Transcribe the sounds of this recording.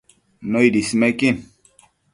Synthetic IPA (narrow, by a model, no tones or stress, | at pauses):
nɔidisimɛkin